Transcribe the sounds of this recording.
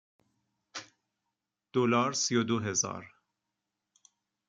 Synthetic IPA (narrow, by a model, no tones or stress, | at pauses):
d̪̥olɒːɾsijod̪oɦezɒ̰ːɾ